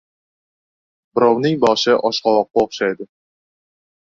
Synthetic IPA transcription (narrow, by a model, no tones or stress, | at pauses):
bɪɾɑwnɪŋbɒʃɪʔɒʃqɑlˠɑq̚ːɑoχʃɑjd̪ɪ